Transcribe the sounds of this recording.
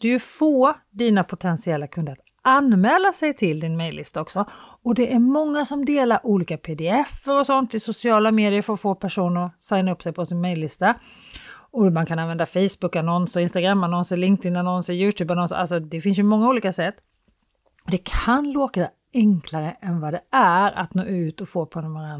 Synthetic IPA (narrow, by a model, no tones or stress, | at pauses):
d̪̥ɵfoː | d̪iːnapʰʊt̪ʰɛnsɪɛlːakʰɵnd̪əɾat̪ | anmɛːlːasɛjt̪ʰɪld̪ɪnmɛjlːɪ̰st̪aɔksɔ | ɔd̪ɛʔæmɔŋːasɔmd̪eːlaɾʔuːliːkapʰeːd̪ɛɛfːəɾɔsɔnt̪ɪsʊsɪɑːlameːd̪ɪəɾfəɾfoːpʰæʂuːnəɾsaɪnaɵpːsɛjpʰɔsɪnmɛjlːɪst̪a | ɔmankʰananvɛnd̪afɛjsbʊkanɔnsəɾɪnst̪aɡɾamːanɔnsəɾlɪŋkt̪ɪnanɔnsəɾjʉːt̪ʰjʉːbanɔnsəʔa̰lsɔd̪ɛfɪns̬jɵmɔŋːauːliːkasɛt̪ː | ɔd̪ɛkʰanloːka | ɛŋkʰlaɾəʔɛnvad̪ɛæɾa̰t̪no̰ːʉ̟ːt̪ɔfoːpʰɔnnvaɾan